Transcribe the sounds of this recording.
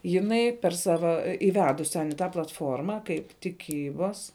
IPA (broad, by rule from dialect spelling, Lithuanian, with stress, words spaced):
jɪˈnɐɪ pʲɛr ˈsɑːʋɐ ɪˈʋʲæːdʊsʲ tʲɛn ɪ ˈtɐ plˠɐtˈfoːrmɐ kɐɪp tʲɪˈkʲiːbɐs